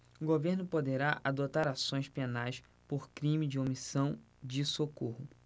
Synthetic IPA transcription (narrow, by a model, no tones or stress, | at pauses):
ʊɡoveɾnʊpod̪eɾaʔad̪ot̪aɾasõj̃spenajs | poɾkɾĩmɪd͡ʒɪomisɐ̃w̃ | d͡ʒɪsokohʊ